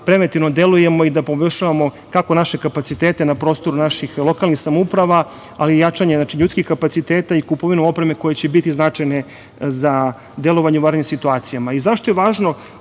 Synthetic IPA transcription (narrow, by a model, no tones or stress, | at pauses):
pɾe̞ʋent̪iʋno̞d̪eluje̞mo̞id̪apo̞boʃaʋamo̞ | kako̞naʃe̞kapat̪sit̪eːt̪e̞napɾo̞ːst̪o̞ɾunaʃixlo̞kalnixsamoupɾaʋa | alijat͡ʂaɲenat͡ʃiʎuːt̪skixkapat̪sit̪eːt̪aikupoʋinuo̞pɾeme̞ko̞jet͡ɕebit̪iznat͡ʂajne | za | d̪elo̞ʋaɲeuʋaːɾɲemsit̪uaːt̪sijamaizaʃt̪ojeʋaːʒno̞